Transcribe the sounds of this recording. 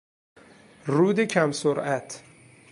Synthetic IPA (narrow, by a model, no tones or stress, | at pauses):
ruːd̪ecʰæmsoɾʔæt̪ʰ